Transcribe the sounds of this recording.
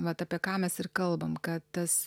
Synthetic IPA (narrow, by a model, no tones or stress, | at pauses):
ʋɐt̪ɑːpʲiɛkɑːmʲɛsɪrkɐlˠbɐmkɐt̪t̪ɐs